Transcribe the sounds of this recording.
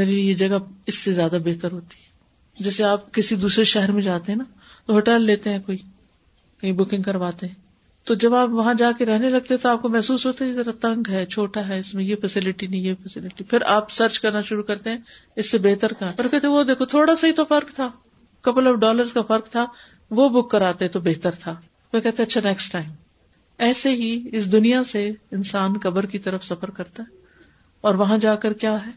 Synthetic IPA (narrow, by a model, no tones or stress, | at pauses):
meːɾeliejed͡ʒɐɡaɪsːezjaːd̪abeɦt̪əɾɦoːt̪i̥ɦɛ | d͡ʒɛːseaːp̚kɪsid̪uːsɾeʃɛɦɛɾmẽd͡ʒaːt̪eɦɛ̃na | t̪oɦoːʈɛːlːeːt̪eɦɛ̃koːi | kɐibʊkɪ̃ŋɡkɐɾʋaːt̪eɦɛ̃ː | t̪od͡ʒɐbaːpʋɐɦãd͡ʒaːkeɾɛɦnelɐɡ̚t̪eɦɛ̃t̪oaːp̚komɛɦsuːsɦoːt̪aɛzɐɾat̪ɐ̃ŋɡɦɛt͡ʃʰoːʈaɦɛɪsmẽjefɛsɪlɪʈinɐĩjefɛsɪlɪʈipʰɪɾʔaːpsɐɾt͡ʃkɐɾnaʃʊɾukɐɾt̪eɦɛ̃ː | ɪsːebeːɦt̪əɾkaɔɾkɛɦt̪eɦɛ̃ʋod̪eːkʰot̪ʰoːɽasaɦit̪ofɐɾkt̪ʰaː | kɐpəlɔːfɖɔːləɾzkafɐɾk̚t̪ʰa | ʋobʊkːɐɾaːt̪eɦɛ̃t̪obeːt̪əɾt̪ʰaː | ʋekɛɦt̪ẽɐtːʃʰanɛksʈʈaːɪ̃m | ɛːseɦiɪs̬d̪ʊnijaseɪnsaːnkɐbəɾkit̪ɐɾəfsɐfəɾkɐɾt̪aɦɛː | ɔːɾʋɐɦãd͡ʒaːkəɾkjaːɦɛː